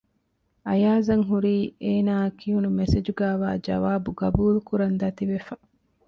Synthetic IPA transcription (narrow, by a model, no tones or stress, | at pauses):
ɐjaːzɐŋɦuɾiːeːnaːkiɦunumesed͡ʒuɡæːʋaːd͡ʒɐ̰ʋaːbuɡɐbuːlukuɾɐnd̪ɐt̪iʋefɐ